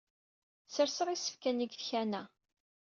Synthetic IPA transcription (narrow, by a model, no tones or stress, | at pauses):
səɾsəʁisə̥fkæniɡθçænæ